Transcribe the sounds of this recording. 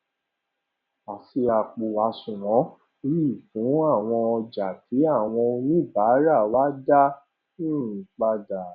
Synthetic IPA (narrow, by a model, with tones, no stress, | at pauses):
a˨si˧a˨k͡po˨a˨˦sũ˨w̃ɔ̃˨˦ | ɾi˦˨fũ˨˦a˦˨w̃ɔ̃˧ɔ˧d͡ʒa˨tʰi˨˦a˦˨w̃ɔ̃˧o˧nĩ˦˨ba˨˦ɾa˦˨wa˦da˦ | nĩ˦˨ĩ˨k͡pa˧da˨